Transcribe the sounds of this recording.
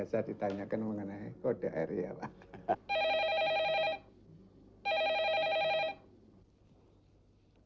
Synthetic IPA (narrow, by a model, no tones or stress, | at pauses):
asad̪̥it̪aɲakənməŋənaikoɖ̥aaiɾiapa